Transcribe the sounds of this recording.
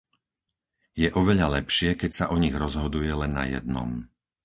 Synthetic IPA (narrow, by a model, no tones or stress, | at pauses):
jɛʔɔʋɛʎalɛpʃɪɛkɛcsaʔɔɲiɣɾɔzɦɔd̪ujɛlɛnːa̰jɛ̰d̪̚nɔ̰m